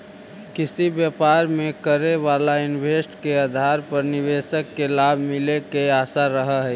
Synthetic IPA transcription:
kɪsibjəpaːɾmẽkəɾeʋaːlaɪnʋeːsʈkeəd̪ʱaːɾpəɾnɪʋeːsəkːelaːbʱmɪlekeaːsaɾəɦəɦɛ

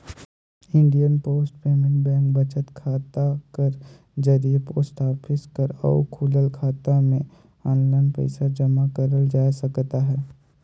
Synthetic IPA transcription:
ɪ̃ɳɖijənpoːsʈpeːmɪ̃ŋɡbɛ̃ːŋkbɐt͡ʃət̪kʰaːt̪akəɾ | d͡ʒəɾiepoːsʈaːpʰɪskəɾɔ̰ʊkʰuːləlkʰaːt̪amẽ | ɔ̃ːnlaːɪnpə̰ɪsad͡ʒəmakəɾəld͡ʒaːsɐkt̪aɦɛː

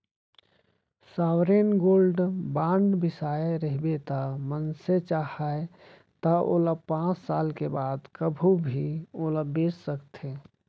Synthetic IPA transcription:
saːwɾenɡoːlɖbãːɳɖbɪsaːeɾəɦibet̪amənset͡ʃaːɦae | t̪əʔo̰ːləpãːt͡ʃsaːlkebaːd̪kəbʱubʱioləbeːssəkt̪ʰe

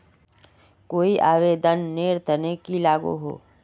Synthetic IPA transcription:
koːiʔaːʋeːd̪ənːeːɾt̪ənekilaːɡṵɦo̰ː

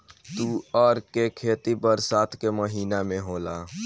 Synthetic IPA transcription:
t̪uːɔːɾkekʰeːt̪ibəɾsaːt̪ʰkeməɦiːnamẽɦoːlaː

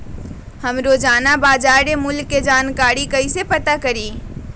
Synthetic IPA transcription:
hɐmɾod͡ʒaːnabaːd͡ʒaːɾɾemʊlːed͡ʒaːnkaːɾikəisepət̪akəɾiː

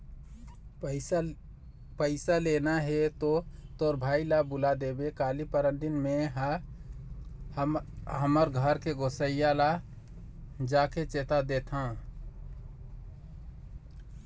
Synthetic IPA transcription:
pəɪsalenaɦet̪ot̪oɾbʱailabulad̪ebekalipəɾənɖinmeɦ | ɦəməɾɡʱəɾkeɡosəijala | d͡ʒaket͡ʃet̪ad̪et̪ʰã

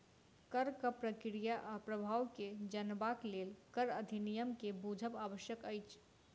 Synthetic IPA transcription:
kəɾkəpɾəkɾijaʔpɾəbʱaːwked͡ʒənbakleːlkəɾəd̪ʱinijəmkebud͡ʒʱəpaːʋəʃjəkəɪt͡ʃʰ

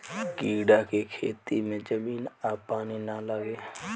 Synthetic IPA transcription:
kiːɖakekʰeːt̪imẽd͡ʒəmiːnapaːninaləɡeː

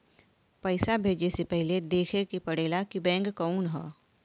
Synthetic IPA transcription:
pəɪsabʱeːd͡ʒesepɛɦled̪eːkʰekipɐɽeːlakibɛ̃ːŋɡkɔunɦɛː

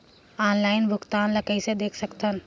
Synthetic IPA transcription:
aːnlaːɪnbʱʊkt̪aːnlɐkəised̪eːkʰsɐkt̪ʰən

